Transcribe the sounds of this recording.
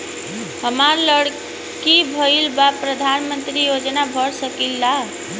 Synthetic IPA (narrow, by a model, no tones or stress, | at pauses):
həmaɾləɽ | kibʱəilbapɾəd̪ʱanmənt̪ɾijod͡ʒnabʱəɽsəkilːa